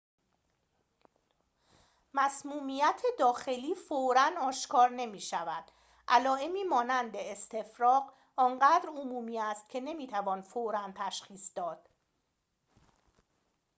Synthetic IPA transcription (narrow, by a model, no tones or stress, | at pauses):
mæsmuːmijæt̪ʰe̞d̪ɒːxe̞liːfoɾænɒːʃkʰɒːɾne̞miːʃævæd̪̥ | ʔælɒːe̞miːmɒːnænd̪eest̪ʰe̞fɾɒːɢ | ɒːnɢæːd̪ɾomuːmiːæst̪̚cʰe̞ne̞miːt̪ʰævɒːnfoɾænt̪ʰæʃxiːsd̪ɒːd̪̥